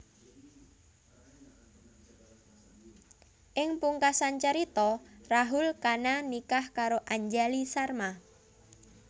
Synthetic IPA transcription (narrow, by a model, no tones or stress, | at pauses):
ʔɪŋpuŋkasant͡ʃəɾit̪ɔraɦʊlkananikahkaɾoʔaɲd͡ʒalisarma